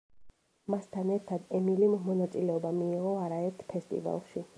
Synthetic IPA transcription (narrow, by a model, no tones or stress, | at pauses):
mast̪ʰanɛɾt̪ʰad̪ɛmilimːɔnat̪sʼilɛɔbamiːʁɔaɾaɛɾt̪ʰpʰɛst̪ʼḭva̰lˠʃi